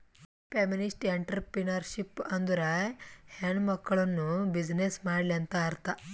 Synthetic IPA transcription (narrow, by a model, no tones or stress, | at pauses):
peminisʈeɳʈɐɾpɾinɐɾʃipɐnd̪uɾɐheɳmɐkːɐɭɐnːubid͡ʒnesmaːɽliɐnt̪ɐːɾt̪ɐ